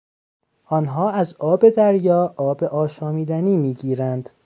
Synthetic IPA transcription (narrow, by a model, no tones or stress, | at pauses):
ʔɒːnɦɒːæzɒːbe̞d̪æɾjɒːʔɒːbeʔɒːʃɒːmiːd̪æniːmiːɟiːɾænd̪